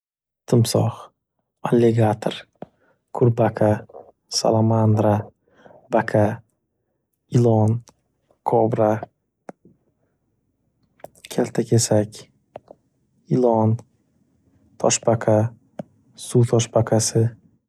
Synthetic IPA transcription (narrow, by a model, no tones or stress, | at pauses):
t̪ʰɪmsɒχ | alːeɡat̪ʰɾ | kʰʊɾbakʰa | sa̰lˠamand̪ɾa | bakʰa | ɪlˠɒn | kʰɒbɾa | kʲʰalʲt̪ʰakʲʰesakʲ | ɪlˠɒn | t̪ʰɒʃbakʰa | sut̪ʰɒʃbakʰasɪ